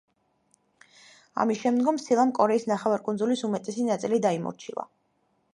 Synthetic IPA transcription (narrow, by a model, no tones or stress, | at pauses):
a̰misʃɛmd̪ɡɔmsilˠamkʼɔɾɛisnaχɛvaɾkʼunzulisumɛt̪ʼɛsinat̪sʼilid̪aimɔ̰ɾt͡ʃʰilˠa̰